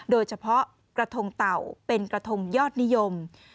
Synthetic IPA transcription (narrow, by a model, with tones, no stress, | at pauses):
ɗoː˧jsa˧pʰɔ˦˥ | kɾa˧t̪ʰo˧ŋt̪a˨˩wpe˧nkɾaː˧˩t̪ʰo˧ŋ͡mjɔː˥˩t̪̚ni˨˦˥jo˧m